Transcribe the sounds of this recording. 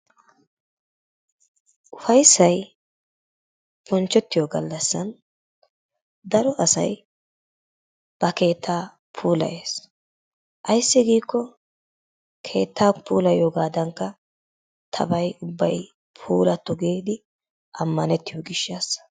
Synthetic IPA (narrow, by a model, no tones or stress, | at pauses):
ʔʊfɐjsːɐj | bɔnt͡ʃːɛt̪ːɪjɔɡɐlːɐsːɐn | d̪ɐɾɔʔɐsɐ̰j | b̥ɐke̞ːt̪ʰːaː | pʰuːlɐ̰ʔeːs | ʔɐjsːɪɡiːkːɔ | kʰe̞̰ːt̪ːaːpʰuːlɐjoːɡaːd̪ɐŋkːɐ | t̪ʰɐ̰bɐjʊbːɐj | pʰuːlɐt̪ːɔɡeːd̪ɪ | ʔɐmːɐnɛt̪ːɪjɔɡɪʃːaːs